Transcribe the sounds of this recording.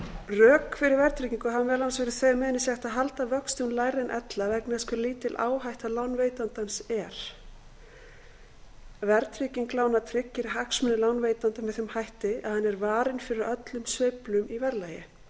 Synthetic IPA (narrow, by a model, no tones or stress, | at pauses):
rœːkfɪɾɪɾvɛɾt̪ʰɾiciŋkʏɦaanvɛɾlansvɛɾɪ̥θœjmɛːðɪnːɪsjɛht̪aðɦalt̪avœkst̪ɪwnlaːjɾɪnʔɛ̰t̪lavɛknɪskvɛɾliːt̪ɪlʔa̰ːwɦajht̪aðlaːwnveːjt̪ant̪ansɛɾ̥ | vɛɾt̪ʰɾiciŋklaːwnat̪ʰɾɪcːɪɾɦaksmʏnɪlaːwnveːjt̪ant̪avɪðθʏmhajht̪ɪa̰ðhanːɛɾvaːɾɪnfɪɾɪɾœt̪lʏmsvejplʏmivɛɾlajɪ